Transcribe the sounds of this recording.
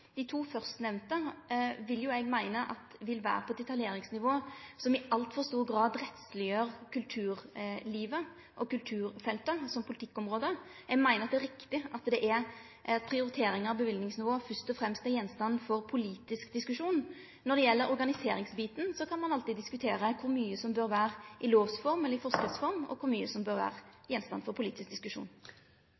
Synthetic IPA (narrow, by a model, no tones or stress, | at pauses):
d̪̥ɪt̪ʰuːfœʁst̪nɛʋnt̪əʋɪlːjʊɛɡmæɪnəʔɑ̰t̪ʋɪlʋæ̰ːɾəpʰɔɛt̪ːɪt̪ʰːɑljeːɾɪŋsnɪʋoːsɔmɪʔɑlt̪fɔʁst̪uːʁɡɾɑːd̪ɾɛt̪slɪjøːʁkʰʉlt̪ʰʉːʁliːʋə | ʔɔkʉlt̪ʰʉːɾfɛlt̪əsɔmpʰʊlɪt̪ɪkːɔmʁoːd̪ə | ɛɡmæɪnəɾɑt̪d̪æɾɪkt̪ɪʔɑt̪d̪ɛʔæɾ | pʰʁɪʊɾɪt̪ʰeːɾɪŋəɑʋbəʋɪld̪nɪŋsnɪʋoːfœst̪ɔfɾɛmst̪æɾjɛnst̪ɑnːfɔʁpʰʊliːt̪ɪskd̪ɪskʉʂuːn | nːɔɾd̪ɛjɛlːəɾɔɾɡɑnɪseːɾɪŋsbiːt̪n̩sɔkʰɑnmɑnɑlt̪ɪd̪ɪskʉt̪ʰeːɾəkʰʊɾmyːəsɔmbøːɾʋæːʁʔɪloːʋsfɔɾmɛlːəɾɪfɔskəsfɔɾmɔ̰kʰʊɾmyːəsɔmbøːɾʋæ̰ːʁjɛnst̪ɑ̰nfɔɾpʰʊliːt̪ɪsk̚d̪ɪskʉʂṵːn